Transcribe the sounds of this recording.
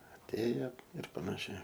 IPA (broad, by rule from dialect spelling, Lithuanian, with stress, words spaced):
ɐtʲˈeːjɛ ɪr pɐnɐˈʃʲɛɪ